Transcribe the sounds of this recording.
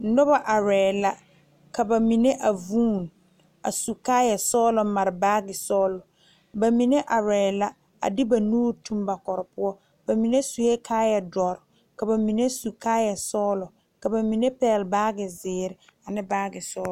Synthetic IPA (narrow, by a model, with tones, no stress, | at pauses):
nɔ˦ba˦ʔa˨ɾɛː˨la˦ | ka˨ba˨mi˨ne˦ʔa˨vuː˦˨n | a̰˨su˨kaː˦jɛ˨sɔː˦lɔ˨ma˨ɾɪ˨baː˦ɡɪ˨sɔː˦lʊ˨ | ba˨mi˨ne˦ʔa˨ɾɛː˨la˦ | a̰˨dɪ˦ba˨nuː˦ɾtu˦mba˨kɔ˨ɾɪ˨pʊ˦ɔ˦ | b̥a˨mi˨ne˦su˨je˦kʰaː˦ja˨dɔ˨ɾ | ka˨ba˨mi˨ne˦su˨kaː˦jɛ˨sɔː˦lɔ˨ | ka˨ba˨mi˨ne˦pɛː˦˨lbaː˦ɡɪ˨zɪː˨˦ɾɪ˨ | a˨nɪ̃˦baː˦ɡɪ˨sɔː˦l